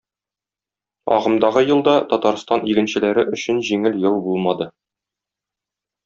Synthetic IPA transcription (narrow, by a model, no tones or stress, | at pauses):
ɒ̰ʁɤ̆md̪ɑʁɤjɤ̆lˠd̪ɑt̪ɒt̪ɑɾst̪ɑniɡɘ̆nɕɘ̆læɾɘʔɵ̆ɕɘnʑiŋɘljɤw̪ˠbulˠmɑd̪ɤ